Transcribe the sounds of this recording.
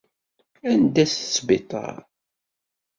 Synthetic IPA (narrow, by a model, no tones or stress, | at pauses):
ænd̪æsə̥sbɪt̪ˤɑ̰ɾ